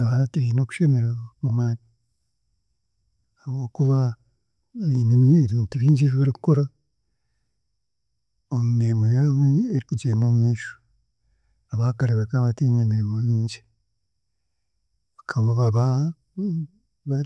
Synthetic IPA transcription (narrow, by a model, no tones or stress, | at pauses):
aβateinoku̥ʃemeɾemumaːti | aβo̞ːkuβa | βinemieβiːntuβiːɲd͡ʒeβiβaɾikukoɾa | omumemojaβeeɾikud͡ʒeːmomweːʃ | aβakaɾeβakaβatenemeɾemoβiːɲd͡ʒi | βakʰaβoβaβa | βa